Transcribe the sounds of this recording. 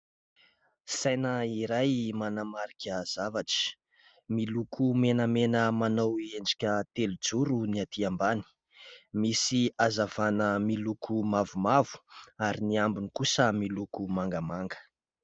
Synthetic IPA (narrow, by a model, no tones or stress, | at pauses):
sajnəiɾajmanamaɾikʰʲəz̥avaʈ͡ʂi̥ | milukʰumenəmenəmanawend͡ʒḁkʲət̪elud͡zuɾuniat̪iambani̥ | misiazavanəmilukʰumavumavu̥aɾiniambinikusəmilukumaŋɡəmaŋɡə̥